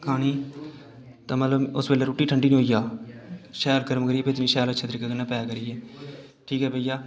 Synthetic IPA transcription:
kʰaːñiː | t̪ãːmət̪ləbʊsbeːleːɾuːʈiːʈʰəɳɖiːnĩɦoːijaː | ʃɛːlkəɾəmkəɾiːeːpeːt̪nĩːʃɛːlətːʃʰaːt̪əɾikaːkənːãːpɛːkəɾiːɛː | ʈʰiːkɦɛːpəːijaː

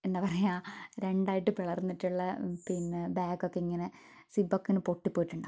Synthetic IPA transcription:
enːepɐrɐjaːɾe̞ɳɖaːjiʈːɨʋiɭɐrnːiʈːuɭːɐpinːebaːkːo̞kːeiŋːɐne | sibokːinɨpo̞ʈːipːoːjiʈːuɳɖaː

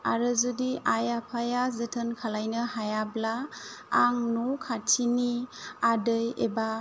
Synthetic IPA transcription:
aɾɯzudiʔajapʰajazɯtʰɯnkʰalajnɯhajablaː | ŋnukʰatʰiniadɯjeba

